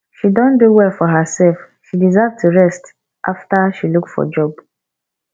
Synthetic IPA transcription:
ʃidɔ̃nduwɛfɔɦəsɛlf | ʃidizavtʰuɹɛst | ʔaftaʃilukfɔ̰d͡ʒɔb

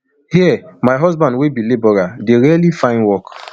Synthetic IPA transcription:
hiɛmaɪɦɔzbãndwebilebɔɾadeɾialifãɪ̃nwɔk

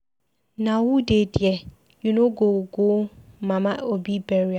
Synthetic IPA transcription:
nãwudedɪɛ | junoɡoɡomãmãobibɛɾia

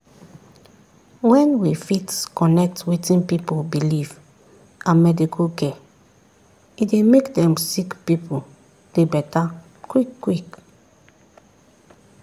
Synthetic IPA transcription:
wɛ̃nwifitskɔnɛk̚twitĩnpipobiliv | ãmɛdikʰɔkɛ | idemekdɛ̃msikpipʰo | d̥ebɛta | kwikːwik

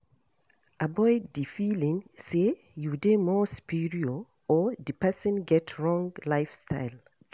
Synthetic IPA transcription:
ʔabɔɪdifilĩŋse | judemɔspiɹiɔ | ɔd̪ipɛsə̃nɡɛtʰɹɔ̃ŋɡlaɪfstʰaɪl

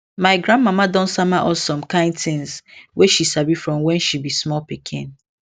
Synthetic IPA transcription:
maɪɡɾãndmamadɔ̃nsamaʔɔsɔ̃mkãɪ̃ndtɪ̃nsweʃisabifɹɔ̃mwɛ̃nʃibismɔlpikʰḭ̃n

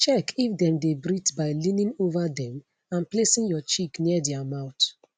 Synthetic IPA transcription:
t͡ʃɛkʰifdɛ̃mdebɹitbaɪlĩnĩŋovadɛ̃m | ãnplesĩŋjɔt͡ʃikniədɛamãʊt

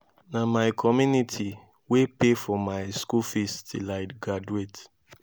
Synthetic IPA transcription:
namaɪkʰɔmjunitʰi | wepefɔmaɪskufistilaɪɡɹad͡ʒuet

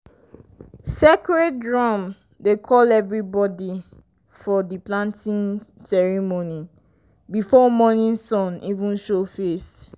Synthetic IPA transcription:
sekɹɛdɹɔ̃m | dekʰɔlɛvɹibɔdi | fɔdiplãntĩnsɛɹimoni | bifɔmɔnĩnsɔ̃nivũnʃofes

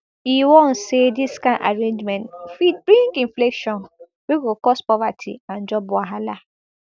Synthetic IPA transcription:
iwõn̩sediskãnʔa̰ɹẽnd͡ʒmɛ̃ntfid̚bɾĩŋkĩɱflekʃɔ̃n | bikukɔspɔvatʰḭãnd͡ʒɔbʊaɦala

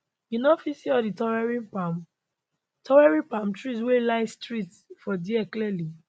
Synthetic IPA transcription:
inɔfisiɔditɔɹɛɹĩnpam | tʰɔwɛɹĩpamtɹis̬welaɪstɹit | fɔdiɛkliɛli

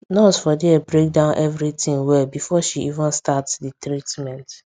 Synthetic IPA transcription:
nɔzfɔdiɛbɾek̚dãʊ̃nʔɛvɾitɪ̃ŋwɛlbifɔʃiʔivə̃nstatsditɾitmɛ̃nt

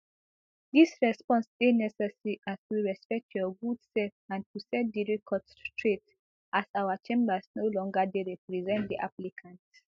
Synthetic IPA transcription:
disɹɛspɔ̃nsdenɛsɛsəɹiʔasiɹɛspɛk̚tʰjɔɡudsɛlfãntʰusɛd̚diɹikʰɔt | tɹet | ʔasawat͡ʃẽmbəsnolɔ̃ŋɡadeɹɛpɹizɛ̃nt̚diʔaplikʰãnt

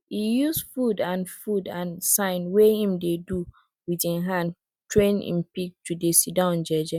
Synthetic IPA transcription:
hijusfudãnfudãnsãɪ̃nwehĩmdedu | wiðĩɦãnd | tʰɹẽnḭ̃npik̚tʰudesidãʊ̃nd͡ʒɛd͡ʒɛ

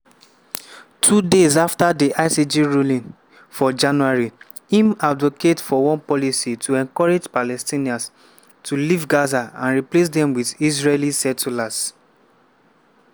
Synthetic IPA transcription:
tʰudezaftadiʔaɪsid͡ʒiɹulĩn | fɔd͡ʒãnuaɹi | ĩmadvokedfɔwɔ̃npɔlisitʰuɛ̃ŋkɔɹed͡ʒpalɛstĩniãns | tulivɡazaãnɹiples̬dɛ̃mwiðizɹelisɛtulas

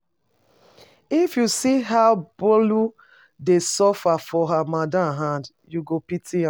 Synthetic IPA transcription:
ifjusiɦaʊb̥olu | desɔfafɔɦamadãmɦãnd | juɡopitia

